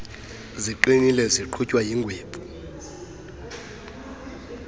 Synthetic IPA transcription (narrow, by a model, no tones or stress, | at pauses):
ziǃinilɛziǃʰucʼwajiːŋɡʱweːbʱu̥